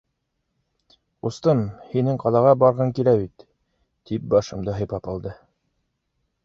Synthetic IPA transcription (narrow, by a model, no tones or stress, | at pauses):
ust̪ɤmhinɘŋqɑlˠɑʁɑbɑɾʁɤŋkilæbit̪ | t̪ip̚bɑʃɤ̆md̪ɤɦɤ̆jpɑpɑlˠd̪ɤ